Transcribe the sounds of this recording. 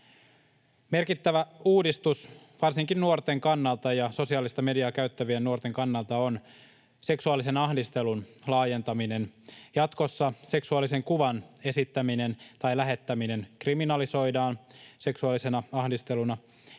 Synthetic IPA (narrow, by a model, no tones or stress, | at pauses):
me̞rkit̪ːæʋæuːdist̪us | ʋɑrsiŋkinnuo̞rt̪e̞ŋkɑnːɑlt̪ɑjɑso̞siɑːlist̪ɑme̞diɑkæyt̪ːæʋiennuort̪e̞ŋkɑnːɑlˠt̪ɑon | se̞ksuɑlːise̞nɑhdist̪e̞lunlɑːje̞nt̪ɑmine̞njɑt̪ko̞sːɑse̞ksuɑlise̞ŋkuʋɑne̞sit̪ːæmine̞nt̪ɑjlæɦe̞t̪ːæmine̞nkriminɑliso̞jdɑːnse̞ksuɑlːise̞nɑɑhdist̪e̞lunɑ